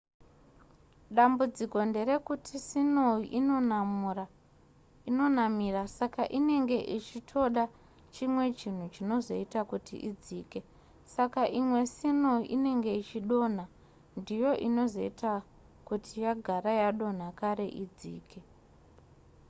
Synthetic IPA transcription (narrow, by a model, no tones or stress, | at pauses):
ɗambud͡ziko̞nde̞ɾe̞kutʰisinoiʔinonamura | ino̞namirasakaʔine̞ŋɡe̞ʔit͡ʃitʰo̞ɗa | t͡ʃimwe̞t͡ʃin̤ut͡ʃino̞zo̞̰itakutḭʔid͡ziːke̞ | sakaʔimwe̞sino̞iʔine̞ŋɡe̞it͡ʃiɗo̞n̤a | ndijo̞ʔino̞zo̞̰ita | kutʰijaɡʱaɾajaɗo̞n̤akaɾe̞ʔid͡zḭːke̞